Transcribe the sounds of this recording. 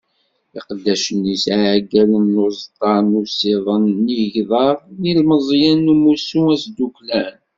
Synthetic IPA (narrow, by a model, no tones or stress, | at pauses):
ɪqəd̪ːæʃənːisʕɡælənːʊzˤt̪ˤɑɾˤnuseðˤənːiʝðˤɑɾˤnilməzˤjænːumusuæsd̪uklæn